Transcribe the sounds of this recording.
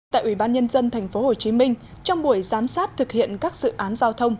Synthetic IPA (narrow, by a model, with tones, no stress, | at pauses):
t̪a̰ː˧˨jʔwi˧˩ɓaː˧nɲə˧nzə˧nt̪ʰɛ˨˩jŋ̟fo˨˦ho˨˩t͡ɕi˨˦mï˧ŋ̟ | t͡ɕɔ˧wŋ͡mɓu˧˩əjzaː˨˦msaː˦˥t̚t̪ʰɨ˨˩k̚hḭ˧˨ənkaː˦˥k̚zɨ̰˧˨ʔaː˨˦nzaː˧wt̪ʰə˧wŋ͡m